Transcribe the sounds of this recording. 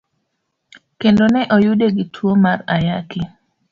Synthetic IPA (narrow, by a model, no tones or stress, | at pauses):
kendonɛʔojudeɡɪtʰwomarajakɪ